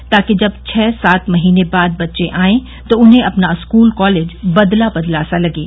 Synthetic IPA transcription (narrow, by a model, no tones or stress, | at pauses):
t̪aːked͡ʒɐbt͡ʃʰɛːsaːt̪mɐɦiːnebaːd̪̚bɐtːʃẽʔaːẽ | t̪oʊnɦẽɐpnaɪskuːlkɔːleːd͡ʒbɐd̪labɐd̪laːsalɐɡeː